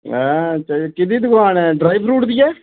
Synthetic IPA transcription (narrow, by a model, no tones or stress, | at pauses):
ɛ̃t͡ʃəkɪd̪iːd̪ʊkaːnɛ̃ːɖɾaːibɾuːʈd̪ijɛː